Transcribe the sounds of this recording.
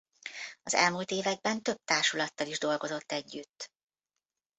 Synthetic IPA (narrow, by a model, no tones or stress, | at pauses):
ɒzɛ̰lmuːlt̪eːvɛɡ̚bɛnt̪ø̞b̚t̪aːʃulɒt̪ːɒliʒd̪o̞lɡo̞zo̞t̪ːɛɟːyt̪ː